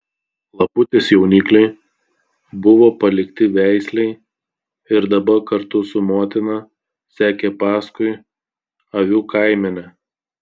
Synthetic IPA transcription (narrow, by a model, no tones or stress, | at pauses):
lˠɐpʊt̪ʲeːsjɛʊnʲiːklʲɛɪ | bʊʋoːpɐlʲɪkt̪ʲɪʋʲæˑɪsʲlʲɛɪ | ɪɾd̪ɐbɐkɐɾt̪ʊsʊmoːt̪ʲɪnɐ | sʲæːkʲepɑːskʊɪ | ɐʋʲuːkʰɐɪmʲɛnʲɛ